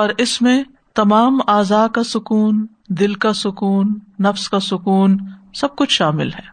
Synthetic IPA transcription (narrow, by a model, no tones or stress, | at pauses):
ɔːɾɪsmẽ | t̪ɐmaːmaːzaːkasʊkuːn | d̪ɪlkasʊkuːnːɐfskasʊkuːnsɐb̚kʊt͡ʃʰʃaːmɪ̰lɦɛː